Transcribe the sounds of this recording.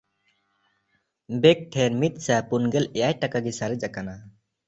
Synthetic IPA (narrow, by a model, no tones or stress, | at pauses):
bɛk̚ʈʰɛɾmit̪̚ˀsapunɡɛlɛjajʈakaɡɛsaɾɛd͡ʒakana